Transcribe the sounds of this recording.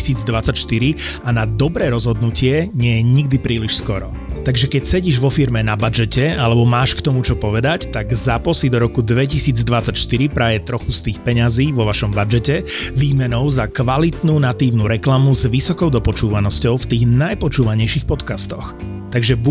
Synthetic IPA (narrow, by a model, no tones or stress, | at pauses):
siːd͡zd̪ʋat͡sacʃt̪iɾianad̪ɔbɾɛːɾɔzɦɔd̪nucɪɛɲɪɛjɛɲiɡd̪ipɾiːliʃskɔɾɔ̰ | t̪aɡʒɛkɛcsɛɟiːʒʋɔfiɾmɛnabad͡ʒɛcɛalɛbɔmaːʃkt̪ɔmut͡ʃɔpɔʋɛd̪act̪aɡzapɔsid̪ɔɾɔkud̪ʋɛcisiːd͡zd̪ʋat͡sacʃt̪iɾipɾaːjɛt̪ɾɔxust̪iːxpɛɲaziːʋɔʋaʃɔmbad͡ʒɛcɛʋiːmɛnɔʊzakʋalit̪nuːnat̪iːʊnuɾɛklamuzʋisɔkɔʊd̪ɔpɔt͡ʃuːʋanɔscɔʊft̪iːɣnajpɔt͡ʃuːʋaɲɛjʃixpɔt̪kast̪ɔx | t̪aɡʒɛbu